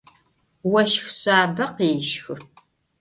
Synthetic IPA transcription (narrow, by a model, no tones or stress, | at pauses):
wɐʃxɕaːbɐqeːʃxɨ